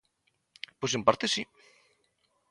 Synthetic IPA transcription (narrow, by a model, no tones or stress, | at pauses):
pojs̬empaɾt̪esi